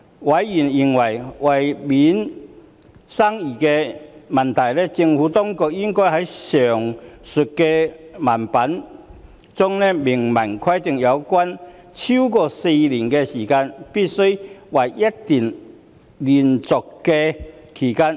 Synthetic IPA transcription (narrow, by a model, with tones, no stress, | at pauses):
wɐ˨˧˥jːiː˨˩nji˨˩ŋwɐ˨˩jwɐ˨˩jmiː˨˥n | sa˥ŋjiː˨˩kɛ˧mɐ˨nt̪ʰɐ˨˩jlɛː˥t͡sɪ˧ŋfuː˨˥t̪ɔː˥ŋkʊ˨k̚jɪ˥ŋkɔː˥hɐ˨˥jsœː˨˩ŋsʊ˨t̚kɛ˧maː˨˩npɐ˨˥n | t͡sʊ˥ŋnɛ˥mɪ˨˩ŋmɐ˨˩nkʰɐ˥jt̪ɪ˨ŋjɐ˨˧wkʷaː˥n | t͡sʰi˥wkɔː˧se˧jliː˨˩nkɛ˧siː˨˩kaː˧npiː˥t̚sɵ˥ɥwɐ˨jjɐ˦˥t̚t̪iː˨˩n | li˨˩nt͡sʊ˨kːɛ˧kʰiː˨˩kaː˥n